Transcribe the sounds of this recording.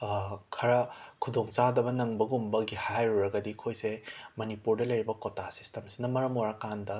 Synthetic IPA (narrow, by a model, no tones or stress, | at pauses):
kʰɐɾɐkʰudoŋt͡ʃadɐbɐnɐŋbɐɡumbɐɡihajɾuɾɐɡɐdikʰojsemɐnipuɾdɐlɐjɾibɐkotʰasi̥stemsi̥nɐmɐɾɐmoɾakandɐ